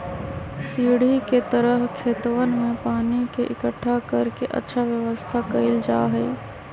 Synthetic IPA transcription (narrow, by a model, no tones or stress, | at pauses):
siːɽ̤iket̪əɾəɦkʰeːt̪ʋənmẽpaːnikeʔɪkəʈʰːakɐɾkeʔɐ̰tːʃʰaʋjəʋəst̪ʰakɐɪld͡ʒaːɦɛː